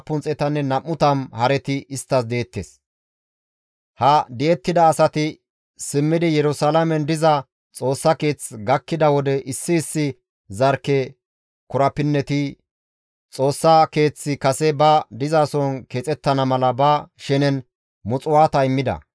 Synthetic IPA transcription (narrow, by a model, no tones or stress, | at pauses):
pːʊnt͡sʼɛt̪ɐnːɛnɐmːʊt̪ɐmhɐɾɛt̪ɪɪst̪ːɐsd̪eːt̪ːḛːs | hɐd̪ɛɛt̪ːɪd̪ɐːsɐt̪ɪ | sɪmːɪd̪ɪjɛɾʊsalɐmɛnd̪ɪzɐ | t͡sʼo̞ːsːɐke̞ːt͡sɡɐkːɪd̪ɐwɔd̪ɛʔɪsːɪːsːɪ | zɐɾkːɛ | kʊɾɐpɪnːɛt̪ɪ | t͡sʼo̞ːsːɐke̞ːt͡sːɪkɐsɛbɐd̪ɪzaːsɔnkeːt͡sʼɛt̪ːɐnɐmɐlɐbɐʃɛnɛn | mʊt͡sʼʊwaːt̪ɐɪmːɪd̪ɐ̰